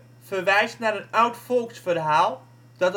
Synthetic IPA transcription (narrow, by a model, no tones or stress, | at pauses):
fərʋɛjstnaɾənawtfolˠksfərɦaːlˠ | d̥ɔt